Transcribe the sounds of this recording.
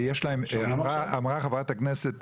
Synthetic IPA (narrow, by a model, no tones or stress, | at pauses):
jɛʃlaɪmaʁaamʁaχavataknɛsɛt